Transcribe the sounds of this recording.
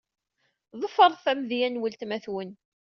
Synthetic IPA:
ðˤəfəɾˤθæmðjænwəlt̪mæθwən

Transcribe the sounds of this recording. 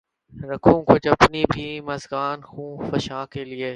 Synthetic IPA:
ɾɐkʰũkʊd͡ʒɐpnibʱiːmɐzɡaːnxũːfɐʃaːkelieː

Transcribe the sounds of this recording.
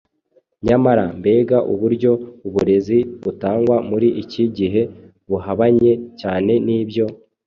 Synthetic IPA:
ɲamaɾambe̞ːɡaʔṵβuɾɟo̞uβuɾe̞ziβutaːŋɡwamuɾiʔiciɟiɦe̞ | βuɦaβaɲe̞caːne̞niːbjo̞

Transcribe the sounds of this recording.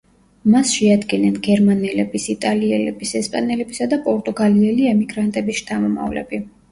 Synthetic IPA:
masʃɛad̪ɡɛnɛnɡɛɾmanɛlɛbisit̪ʼaliɛlɛb̥isɛspʼanɛlɛbisad̪apʼɔɾt̪ʼuɡaliɛliɛmiɡɾant̪ʼɛbisʃt̪ʰamɔma̰vlɛ̰bi

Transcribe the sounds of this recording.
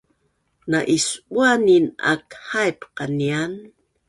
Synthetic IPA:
naʔisuanina̰khajpqanian

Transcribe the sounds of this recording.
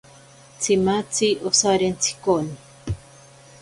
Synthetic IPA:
t͡sʰimat͡siʔosaɾent͡sʰi̥koni

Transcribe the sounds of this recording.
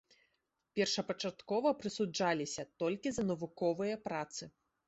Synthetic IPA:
pʲɛrʂɐpɐt͡ʂat̪kɔvɐpɾɨsud͡ʐalʲisʲɐt̪ɔlʲkʲizɐnɐvukɔvɨjɐpɾat̪sɨ

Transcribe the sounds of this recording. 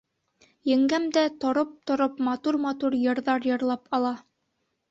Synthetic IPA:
jɘ̆ŋɡæmd̪æt̪ŏɾop̚t̪ŏɾopmɑt̪uɾmɑt̪uɾjɤ̆ɾðɑɾjɤ̆ɾlˠɑpɑlˠɑ

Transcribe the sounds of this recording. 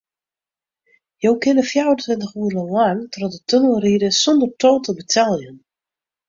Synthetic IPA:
jowkɪnəfjawəntʋɪntəxuələlantrɔdətʰønəlˠriːdəsɔndərtʰoːtəbətʰɛlˠjən

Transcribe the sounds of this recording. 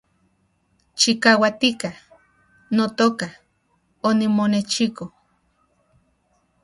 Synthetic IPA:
t͡ʃikawat̪ikah | not̪oka | onimonet͡ʃiko

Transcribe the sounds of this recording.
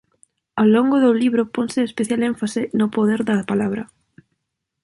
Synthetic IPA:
aloŋɡʊðʊliβɾʊponsɪespeθjaleɱfasɪnʊpoðɛɾðɐpalaβ̞ɾɐ

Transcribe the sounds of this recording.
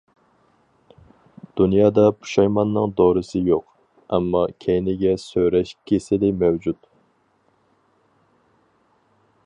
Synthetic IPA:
d̪̥unjɑːd̪ɑpʰu̥ʃɑjmɑnːɨŋd̪oːɾɨsɨjoq | ɛmːɑkʲʰɛjnɪɡʲɛsøwɾɛʃkʲʰesɪlɪmɛwd͡ʒut̪

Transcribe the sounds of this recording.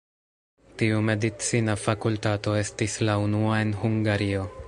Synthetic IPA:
tiume̞dit͡sinafakultato̞e̞stislaunuae̞nɦuŋɡaɾio̞

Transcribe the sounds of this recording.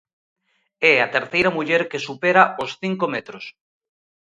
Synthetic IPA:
ɛat̪eɾθejɾamuʎeɾkesupeɾaosθiŋkomɛt̪ɾos

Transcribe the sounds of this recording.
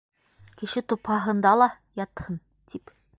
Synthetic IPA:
kɘ̆ʃɘt̪uphɑɦɤ̆nd̪ɑlˠɑ | jɑt̪hɤn | t̪ip

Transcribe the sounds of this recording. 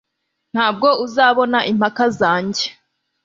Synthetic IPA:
n̥haːb̚ɡo̞uzaːβo̞naʔim̥hakazaːɲɟe

